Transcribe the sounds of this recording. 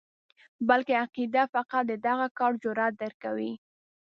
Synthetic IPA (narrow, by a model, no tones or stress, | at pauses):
balkeaqid̪afaqat̪̚d̪əd̪aɣakɑɽd͡ʒʊɾat̪̚d̪əɾkawi